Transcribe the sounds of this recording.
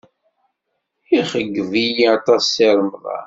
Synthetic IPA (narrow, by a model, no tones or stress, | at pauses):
iχəɡːvijiɑt̪ˤɑsːiɾˤəmðˤɑ̰